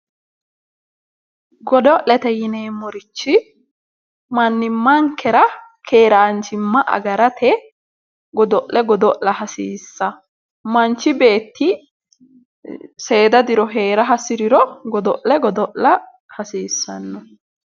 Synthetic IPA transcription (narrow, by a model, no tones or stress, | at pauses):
ɡɔd̪ɔʔlɛt̪ɛjɪneːmɔɾɪt͡ʃːɪ | mɐnːɪmːɐŋkɛɾɐkʰeːɾaːnt͡ʃɪmːɐʔɐ̰ɡɐɾɐt̪ʰɛ | ɡɔd̪ɔʔlɛɡɔd̪ɔʔlɐhɐsiːsːɐ | mɐnt͡ʃːɪbe̞ːt̪ːɪ | se̞ːd̪ɐd̪ɪɾɔɦeːɾɐɦɐsɪɾɪɾɔɡɔd̪ɔʔlɛɡɔd̪ɔʔɐ | hɐsiːsːɐnːɔ